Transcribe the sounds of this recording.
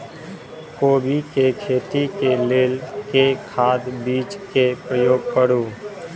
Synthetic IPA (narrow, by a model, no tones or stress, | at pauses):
koːbʱikekʰeːt̪ikeleːlkekʰaːd̪biːt͡ʃkepɾəjoːɡ̚kəɽuː